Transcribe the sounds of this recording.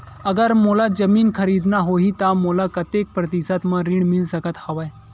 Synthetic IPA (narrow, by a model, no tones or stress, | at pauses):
ɐɡəɾmoːlad͡ʒəmiːnkʰɐɾiːd̪naɦoːɦit̪amoːlakɐt̪eːk̚pɾɐt̪isət̪mãɾiɳmɪlsəkət̪hɐʋa